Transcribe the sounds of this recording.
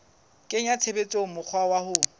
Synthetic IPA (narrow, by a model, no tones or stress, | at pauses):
kʼɪɲat͡sʰebet͡sʼomʊk͡xʰwawahʊ